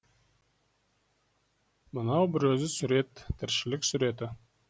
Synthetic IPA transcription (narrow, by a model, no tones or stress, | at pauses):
mənɑwbɪɾɵzɪsʏɾe̞t̪ʰːɪɾʃɪlɪksʏɾe̞t̪ɪ